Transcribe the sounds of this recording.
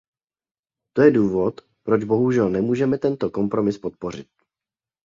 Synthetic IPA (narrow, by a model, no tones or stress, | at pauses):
t̪o̞jɛduːvo̞t̪ | pɾo̞d͡ʒbo̞ɦuʒɛlnɛmuːʒɛmɛt̪ɛnt̪o̞ko̞mpɾo̞mɪspot̪̚po̞r̝ɪt̪̚